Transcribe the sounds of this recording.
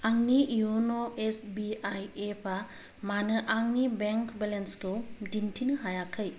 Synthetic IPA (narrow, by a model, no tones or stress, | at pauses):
aŋniiunoesbiajepʰa | manɯʔaŋnibeŋkʰbɛlenskʰɯdintʰinɯɦajakʰɯj